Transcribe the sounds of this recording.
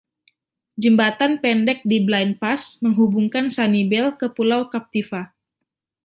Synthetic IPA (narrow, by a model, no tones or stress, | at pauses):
d͡ʒəmbat̪anpɛndɛk̚diblanpasməŋɦubuŋkansanibɛlkəpulawkap̚t̪ifa